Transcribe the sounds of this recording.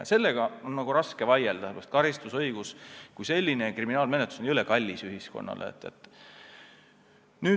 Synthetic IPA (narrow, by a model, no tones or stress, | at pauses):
se̞lːe̞ɡ̥ɑonnɑɡ̥uɾɑske̞vɑjeld̪̥ɑsepɾɑst̪kɑɾist̪usɤjɡ̥uskujse̞lʲːine̞kriminɑːlme̞net̪lu̥sonʲiylekɑlʲːisyɦisko̞̰nːɑ̰lʔḛḛt̪ːˑet̪ːˑ | nyː